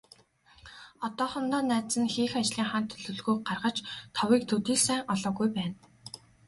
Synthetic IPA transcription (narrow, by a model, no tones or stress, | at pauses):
ɔt̪ɔːχɔnt̪ɔːnːæːt͡sɘ̆nxiːxat͡ɕɮiːŋχant̪ʰɵɮɵ̆ɮɣuːɢarʁə̆t͡ɕt̪ʰɔwiːk̚t̪ʰɵt̪iːɮsæːŋɔɮɔːɣujpæːn